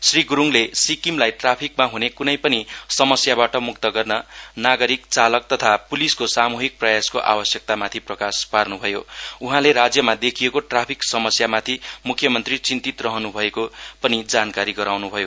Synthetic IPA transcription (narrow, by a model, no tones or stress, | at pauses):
sriɡuɾuŋlesikimlajʈrapʰikmaɦunekunʌjpʌnisʌmʌsjabaʈʌmuk̚t̪ʌɡʌrnʌnaɡʌɾikt͡salʌk̚t̪ʌt̪ʰapuliskosamuɦik̚prʌjaskoʔa̰bʌsjʌk̚t̪amat̪ʰiprʌkasparnubʱʌjouɦãleɾad͡zjʌmad̪ekʰijekoʈrapʰiksʌmʌsjamat̪ʰimukʰːjʌmʌnt̪rit͡sint̪it̪rʌɦʌnubʱʌekopʌnid͡zankaɾiɡʌɾawnubʱʌjo